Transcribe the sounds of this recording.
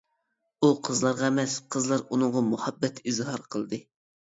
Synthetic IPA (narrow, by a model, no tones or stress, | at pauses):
uqʰəzlˠɑɾʁɑmɛsqʰəzlˠɑɾunʊŋʁɑmuhɑbːɛt̪ʰizhɑɾqʰəlˠd̪ɨ